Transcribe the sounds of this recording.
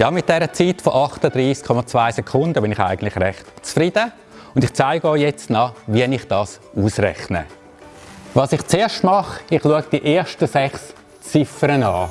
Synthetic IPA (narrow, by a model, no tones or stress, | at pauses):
jɑːmɪt̚d̥ɛɾət͡siːtfoʔɑχtəd̪ɾiːskʰːɔmɑt͡sv̥aɪsɛkʰʊndəbɪnɪχa̰ɪɡəntlɪχɾɛχtt͡sfɾid̥ə | ʊndɪχt͡saɪɡoɪjɛt͡stnɑːvinɪχd̥ɑːs | uːsrɛ̰χnə̰ | vɑːsɪχt͡seːɐʃtmɑχɪχluəɡ̚d̥iʔeːɐʃtəsɛχs | t͡sɪfəɾənɑː